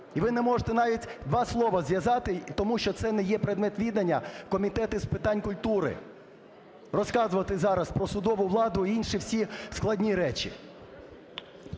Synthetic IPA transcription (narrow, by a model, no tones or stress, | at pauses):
iʋɪnɛmɔʒet̪ɛnɑʋʲitʲd̪ʋɑslˠɔʋɐzʋjɐzɑt̪ɪt̪ɔmuʃt͡ʃɔt̪sɛnɛjɛpɾed̪mɛt̪ʋʲid̪ɐnʲːɐkɔmʲit̪ɛt̪ɪspɪt̪ɑnʲkʊlʲt̪uɾɪ̰ | rɔskɑzʊʋɐt̪ɪzɑɾɐspɾɔsʊd̪ɔʋʊʋlˠɑd̪ʊiinʃiwsʲisklˠɐdʲnʲiɾɛt͡ʃḭ